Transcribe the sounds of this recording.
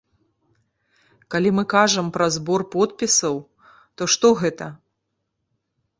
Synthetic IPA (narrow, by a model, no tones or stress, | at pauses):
kalʲimɨkaʐɐmpɾɐzbɔrpɔt̪pʲisɐw | t̪ɔʂt̪ɔɣɛt̪ɐ